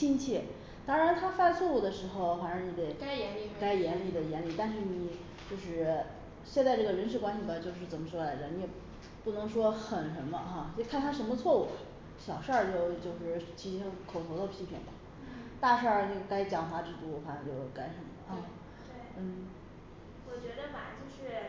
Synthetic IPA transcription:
t͡ɕi˥nt͡ɕʰɛ˥˩ | t̪ɑ˥ŋɻa˧nt̪ʰa˥fa˥˧nt͡sʰwɔ˥˧u˥˩d̪ə˩ʂɻ̩˧˥xo˧ʊfa˧˥nɑ˧˥ŋni˧˥t̪e˧˩ɪ˧˥˧ka˥ɪjɛ˧˥nli˨˩d̪ə˦jɛ˧˥nli˥˩t̪a˥˧nʂ̬ɻ̩˥˩ni˨˩˦ | t͡ɕjo˥˧ʊʂɻ̩˥˩ | ɕjɛ˥˧nt͡sa˥˧ɪʈ͡ʂɤ˥˩ɡə˩ɻə˧˥nʂ̬ɻ̩˥˩kwa˥nɕi˨˩ba˧˩t͡ɕjo˥˧ʊʂ̬ɻ̩˥˩t͡sə˨˩nmə˩˦ʂwɔ˥la˧˥ɪd̪ə˧˩ni˧˥jɛ˨˩ | pu˥˩nɤ˧˥ŋʂwɔ˥xə˨˩nʂə˧˥nmə˧xa˥˧˥kʰa˥˩nt̪ʰa˥ʂ̬ə˧˥mə˧t͡sʰwɔ˥˧u˥˩ɐ˨˩ | ɕjɑ˨˩ʊʂə˞˥˧t͡ɕjo˥˧ʊt͡ɕjo˥˧ʊʂɻ̩˥˩t͡ɕʰi˧˥ʂɻ̩˧˥ɑ˥˩ŋkʰo˨˩ʊt̪ʰo˧˥ʊə˧pʰi˧˥pʰḭ˨˩nbɐ˩ | t̪a˥˧ʂə˞˥˩nə˥˩ka˥ɪt͡ɕjɑ˨˩ŋfa˧˥ʈ͡ʂɻ̩˥˩t̪u˧˥˧fa˧˥n˧˥t͡ɕjo˥˩ʊka˥ɪʂə˧˥nmə˨lə˧˩˥ | t̪wn̩˥˩ | wɔ˨˩t͡ɕɥɛ˧˥d̪ə˧ma˨˩t͡ɕjo˥˧ʊʂɻ̩˥˩

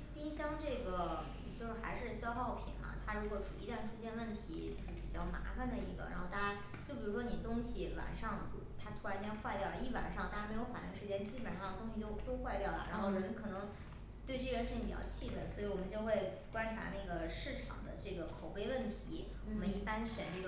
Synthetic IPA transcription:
pi˥ɕjɑ˥ŋʈ͡ʂɤ˥˩ɡə˩˨˩ | t͡ɕjo˥˧ʊʂɻ̩˥˩xa̰˧˥ɪʂɻ̩˥˧ɕjɑ˥ʊxɑ˥˩ʊpʰḭ˨˩nlɐ̰˦t̪ʰa˥ɻu˧˥kwɔ˧˥ʈ͡ʂṵ˨˩ḭ˧˥t̪a˥˩nʈ͡ʂʰu˥ɕjɛ˥nwə˥˩nt̪ʰḭ˧˥o˥˧ʂɻ̩˥˩pḭ˨˩t͡ɕjɑ˥˩ʊma̰˧˥fa˧nd̪ə˩ḭ˧˥ɡə̰˧ɻa˧˥nxo˥˧ʊt̪a˥˧˩t͡ɕja˥ | t͡ɕjo˥˩ʊp̬i˨˩ɻu˧˥ʂwɔ˥ni˨˩ə˩t̪ʊ˥ŋɕi˨˩wa̰˨˩nʂɑ˥˧ŋtu˥˩t̪ʰa˥t̪ʰu˥a˧˥nt͡ɕjɛ˥nxwa˥˧ɪt̪jɑ˥˩ʊlə˧i˥˩pa̰˨˩nʂɑ˥˧ŋt̪a˥˩ja˥me˧˥ɪjo˧˥ʊfa̰˨˩ni˧˥ŋʂɻ̩˧˥t͡ɕjɛ˥n˧t͡ɕi˥pə˨˩nʂɑ˥˩ŋd̪ə˩t̪ʊ˥ŋɕi˧t͡ɕjo˥˧ʊt̪o˥ʊxwa˥˧ɪt̪jɑ˥˩ʊlə̰˩ɻa̰˧˥nxo˥˩ʊnə˥˩n˥ŋkʰɤ˨˩nɤ˧˥ŋ | t̪we˥˧ɪʈ͡ʂɤ˥˩ə˧ɻʂ̩˧˥pi˨˩t͡ɕɑ̰˥˧ʊt͡ɕʰi˥˩d̪ə˩swɔ˧˥i˧˥wɔ˨˩mə˦nt͡ɕjo˥˧xwe˥˩ɪ | kwa˥nʈ͡ʂʰa̰˧˥na˥˩ɡə˩ʂɻ̩˥˩ʈ͡ʂʰɑ̰˨˩ŋd̪ə̰˦ʈ͡ʂɤ˥˩ɡə˩kʰo˨˩ʊpe˥˧ɪwə˥˩nt̪ʰi˧˥ | wɔ˨mə˦ni˥˩pa˥nɕɥə̰˨˩nʈ͡ʂɤ˥˩ɡ

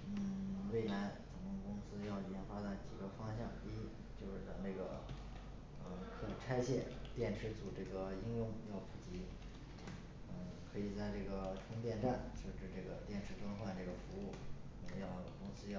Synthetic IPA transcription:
n̩˥˩we˥˩ɪla˧˥ɪt͡sʊ˨˩ŋkʊ˥˩ŋkʊ˥ŋsɹ̩˥jɑ˥˩ʊi˨˩˧fa˥t̪a˥˧˩t͡ɕḭ˨˩ɡə˧fɑ˥ŋɕjɑ˥˩ŋi˥i˥ | t͡ɕjo˥˧ʊʂɻ̩˥˩t͡sɑ˧˩ne˥˩ɡə̰˩ | ə˧kʰɤ˧˥i˨˩ʈ͡ʂʰa˥ɪɕjɛ˥˩nt̪jɛ˥˩nʈ͡ʂʰɻ̩˧˥t͡su˨˩ʈ͡ʂɤ˥˩ɡə˩i˥ŋjʊ˥˧ŋjɑ˥˩ʊpʰu˨˩t͡ɕi˧˥˩ | kʰɤ˧˥i˨˩t͡sa˥˧ɪʈ͡ʂɤ˥˩ɡə˩ʈ͡ʂʰʊ˥ŋt̪jɛ˥˧nʈ͡ʂa˥˧˩nʂɤ˥˩ʈ͡ʂɻ̩˥˧ʈ͡ʂɤ˥˩ɡə̰˩t̪jɛ˥˩nʈ͡ʂʰɻ̩˧˥t̪wa˥nxwa˥˧nʈ͡ʂɤ˥˩ɡə˩fu˧˥u˥˩˧ | jɑ˥˩ʊ˩kʊ˥ŋsɹ̩˥jɑ˥˩

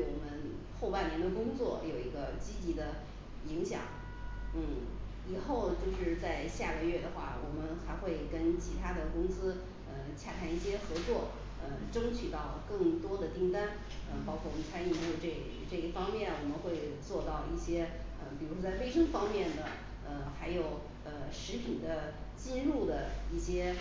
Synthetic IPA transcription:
wɔ˨˩mə˦nxo˥˧pa˥˩ɪnjɛ˧˥nd̪ə˧kʊ˥ŋt͡swɔ˥˩jo˨˩ʊi˧˥ɡə˧t͡ɕi˥t͡ɕi˧˥d̪ə˧ | i˧˥ŋɕjɑ̰˨˩˦ŋ | n̩˥˩ | i˨˩xo˥˩˧ʊt͡ɕjo˥˧ʊʂɻ̩˥˧t͡sa˥˧ɪɕja˥˩ɡə˧ɥɛ˥˩d̪ə˩xwa̰˥˩wɔ˨˩mə˦nxa˧˥ɪxwe˥˩ɪkə˥nt͡ɕʰi˧˥t̪ʰa˥d̪ə˨kʊ˥ŋsɹ̩˥ | ə˧t͡ɕʰja˥˩t̪ʰa˥ni˥˩ɕjɛ˥xɤ˧˥t͡swɔ˥˩ | ə˧ʈ͡ʂɤ˥ŋt͡ɕʰy˨˩t̪ɑ˥˩ʊkɤ˥˩ŋt̪wɔ˥d̪ə˨t̪i˥˩ŋt̪a˥n | ə˧pɑ˥ʊkʰwɔ˥˩wɔ˨˩mə˧nt͡sʰa˥ni˥˧˩u˥˩˧ʈ͡ʂɤ˥˩˧ʈ͡ʂɤ˥˩i˥˩fɑ˥ŋmjɛ˥˩nwɔ˨˩mə˦nxwe˥˧ɪt͡swɔ˥˧t̪ɑ˥˧ʊi˥˩ɕjɛ˥ | ə˧pi˨˩ɻu˧˥ʂwɔ˥t͡sa˥˧ɪfe˥ɪʂɤ˥ŋfɑ˥ŋmjɛ˥˩nd̪ə˩ | ə˧xa˧˥ɪjo˨˩ʊ | ə˧ʂɻ̩˧˥pʰi˨˩nd̪ə˦t͡ɕi˥˧nɻu˥˩d̪ə˩i˥˩ɕjɛ˥

